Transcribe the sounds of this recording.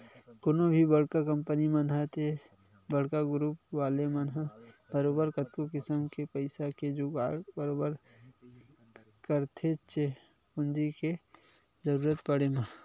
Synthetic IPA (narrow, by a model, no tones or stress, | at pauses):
koːnobʱibɐɽkakɐ̃mpənimɐnɦat̪ʰe | bɐɽkaɡʊɾuːpʋaːlemɐnɦabəɾoːbəɾkɐt̪kokɪsəmkepɐɪsaked͡ʒoːɡaːɽbəɾoːbəɾ | kəɾt̪ʰet͡ʃe | pʊnd͡ʒike | zɐɾuːɾət̪pɐɽemã